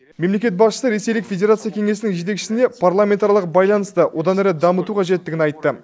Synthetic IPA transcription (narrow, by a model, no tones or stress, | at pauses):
me̞mle̞kʲe̞t̪̚bɑsʃə̥səɾe̞se̞jlɪkfʲe̞dʲe̞ɾat̪sɨjakʲʰeŋe̞sɪnɪŋʒe̞t̪̬e̞kʃɪ̥sɪne̞pʰarlˠamʲe̞nt̪ɑɾjlˠəq̚bɑjlˠɑnəst̪əwʔo̞d̪ɑnæɾɪd̪ɑmət̪uqʰɑʒe̞t̪ːɪɡʲɪnɑjt̪ːə